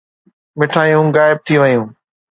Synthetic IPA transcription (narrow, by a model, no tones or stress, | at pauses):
mɪʈʰaːijũɣaːɪb̚t̪ʰiʋɐjũː